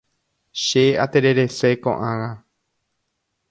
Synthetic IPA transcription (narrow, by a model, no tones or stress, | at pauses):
ʃeat̪eɾe̞ɾe̞sekõ̰ʔãwa